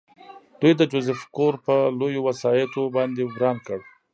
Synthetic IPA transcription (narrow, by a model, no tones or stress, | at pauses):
d̪ujd̪əd͡ʒʊzɪfkoɾpəlojowasɑjɪt̪obɑnd̪eɡɾɑnkəɽ